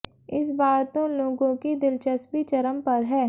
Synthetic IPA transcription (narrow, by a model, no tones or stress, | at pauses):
ɪs̬baːɾt̪õloːɡõkid̪ɪlt͡ʃəspit͡ʃɐɾəmpɐɾɦɛː